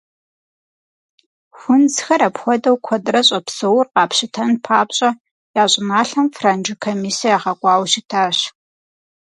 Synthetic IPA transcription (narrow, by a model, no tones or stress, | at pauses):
xʷʊnd͡zxɐɾɐpxʷɔdɐwkʷʰɔdrɐɕʼɐpsɨwʊrqɑːpɕɪtʰɐnpʰaːpɕʼɐ | jaːɕʼɪmaːɬɐmfrand͡ʒɪkʰomiːsijjaːχɐkʷʼɑːwɕitʰaːɕ